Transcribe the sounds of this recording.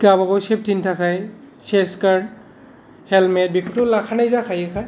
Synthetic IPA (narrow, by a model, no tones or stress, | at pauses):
kabaɡɔwsep̚tʰintʰakʰaj | seskaɹd | hɛlmɛt̚bikʰɔtɔlakʰanajzakʰajakʰaj